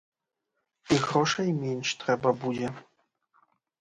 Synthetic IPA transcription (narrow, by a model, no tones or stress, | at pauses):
iɣɾɔʂɐjmʲenʲʂt̪ɾɛbɐbud͡ʑʲɛ